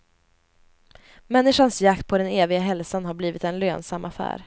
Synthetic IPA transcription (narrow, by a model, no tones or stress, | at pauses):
mɛnːɪʂansjakt̪̚pʰɔd̪ɛneːvɪɡaɦɛlsanɦaɾbliːvɪt̪ɛnløːnsamʔafæ̰ːɾ